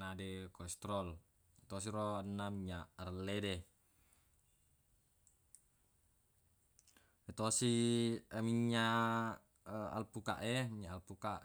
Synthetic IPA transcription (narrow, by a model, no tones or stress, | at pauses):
adekɔst̪ɾɔl | it̪os̬iɾoanːamiɲarlːede | et̪osi | miɲːa | a̰lpuka̰ʔemiɲaalpukaʔ